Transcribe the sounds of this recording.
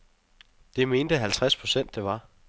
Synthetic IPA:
d̥e̝me̝ːnd̥əɦælt͡sʰʁaspʰʁo̝sen̰d̥ːe̝ʋɑ̈

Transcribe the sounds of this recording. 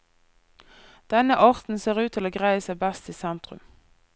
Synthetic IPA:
d̪̥ɛnəʔɑːʁt̪n̩seːʁʉːt̪ʰɪloːɡʁæɪəsəbæst̪iːsɛnt̪ʁʉ̰m

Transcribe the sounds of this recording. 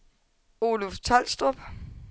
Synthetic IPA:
oːloft͡sʰɒl̰sd̥ob̥

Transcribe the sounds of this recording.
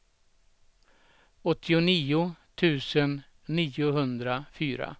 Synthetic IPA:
ɔt̪ʰːɪʊniːʊt̪ʰʉ̟ːsənː | iːʊɦɵnd̪ɾafyːɾa̰

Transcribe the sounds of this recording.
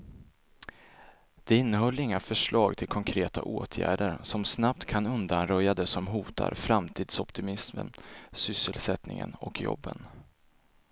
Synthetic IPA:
d̪̥ɛɪnːəhɔlːɪŋːafœʂɭɑːɡt̪ʰɪlkʰɔŋkʰɾeːt̪a̰ʔoːt̪ʰjæ̰ːɖəɾsɔmsnap̚t̪kʰanɵnd̪anɾœjːad̪ɛsɔmɦuːt̪ʰa̰ɾfɾamt̪ʰiːd̪̥sɔpt̪ɪmɪsmə̰nsʏsːəlsɛt̪nɪŋə̰nɔkʰjɔ̰bːə̰n

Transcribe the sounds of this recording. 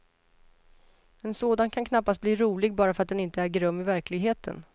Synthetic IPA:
ɛnsoːd̪ankʰankʰnapːast̪̚bliːɾuːlɪɡ̚bɑːɾafœɾat̪̚d̪ɛnɪnt̪əæɾɡɾɵmːɪvæɾklɪɡɦeːt̪ʰə̰n

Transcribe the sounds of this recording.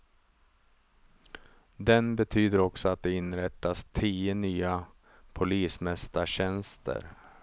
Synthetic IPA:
d̪ɛnbɛt̪ʰyːd̪əɾɔksɔat̪̚d̪ɛɪnɾɛt̪ːast̪ʰiːənyːa | pʰʊliːsmɛst̪aɕɛnst̪ə̰ɾ

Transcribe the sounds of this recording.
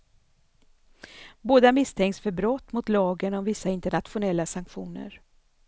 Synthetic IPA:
boːd̪amɪst̪ʰɛŋksfœɾbɾɔt̪ːmʊt̪lɑːɡənɔmvɪsːaɪnt̪əɳat̪ɧʊnɛlːasaŋkɧṵːnə̰ɾ

